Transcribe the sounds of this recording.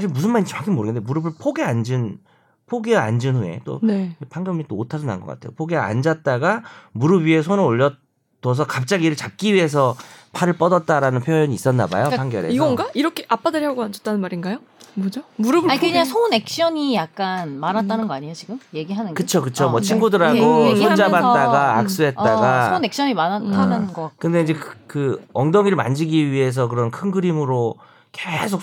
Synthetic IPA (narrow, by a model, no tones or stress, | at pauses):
saɕʰiɭmus̬ʰɯnmaɲit͡ɕʰmakʰimoɾɯɡendemuɾʌbɯɭpʰoɡeand͡ʑɯn | pʰoɡea̰nd͡ʑɯnɸue̞̰t͈o̰nepʰaŋɡjʌmit͈ootʰad͡ʑona̰nŋɡʌk͈a̰tʰe̞jopʰoɡea̰nd͡ʑat̚t͈aɡamuɾɯbɥie̞s̬ʰonɯɾoʎːʌ | t͈ʌs̬ʰʌkap̚t͡ɕ͈aɡiɾɯɭt͡ɕap̚k͈iɥiɦe̞s̬ʰʌpʰaɾɯɭp͈ʌdʌt̚t͈aɾanɯnpʰjojʌɲiːs͈ʌnːa̰ba̰jopʰaŋɡjʌɾeiɡʌnɡaiɾʌkʰeʔap͈adɯɾihaɡoand͡ʑʌt͈anɯnmaɾinɡajo | mod͡ʑomuɾʌbakɯɯɲasʰone̞k̚ɕ͈ʌɲijak̚k͈anmaɾatt͈anɯnɡʌaɲijot͡ɕiɡɯmje̞ɡiɦanɯnɡkɯt͡ɕʰokɯt͡ɕʰomwʌt͡ɕʰinɡudɯɾaɡoud͡ʑabat̚t͈aɡaːk̚s͈uɦe̞t͈̚aɡasone̞k̚ɕ͈ʌɲimanaanɯnɡʌkɯnde̞ind͡ʑe̞kkɯʌŋdʌŋiɾɯɭma̰nd͡ʑiɡiɥiɦe̞s̬ʰʌk̬ɯɾʌnkʰɯnɡɯɾimɯɾo | kesʰok̚